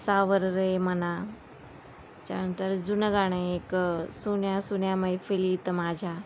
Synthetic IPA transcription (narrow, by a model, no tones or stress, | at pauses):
saʋəɾɾəeməna | t͡ɕa̰ənt̪əɾd͡zunəɡaɽ̃eeksunjasunjaməjfiliːt̪maːd͡ʑʱa